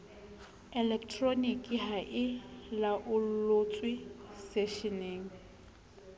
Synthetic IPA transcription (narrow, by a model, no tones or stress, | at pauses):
ɛlɛktʰronikʼiɦaʔɪlaʔʊl̩lʊt͡sʼwɪsɛʃineːŋ̩